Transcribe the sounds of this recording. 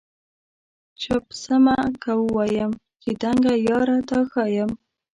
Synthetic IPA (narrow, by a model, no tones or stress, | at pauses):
t͡ʃɑpsəmakawəwɑjəmkid̪aŋɡajɑɾat̪axɑjəm